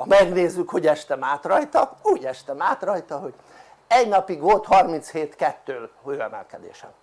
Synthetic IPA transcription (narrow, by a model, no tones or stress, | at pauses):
ɒmɛɡneːzːykho̞ɟɛʃt̪ɛmaːt̪rɒjt̪ɒuːɟɛʃt̪ɛmaːt̪rɒjt̪ɒɦo̞ɟ | ɛɟnɒpiɡʋo̞lt̪hɒrmint̪sheːt̪kɛt̪ːøːløːɛmɛ̰lkɛd̪ḛːʃɛ̰m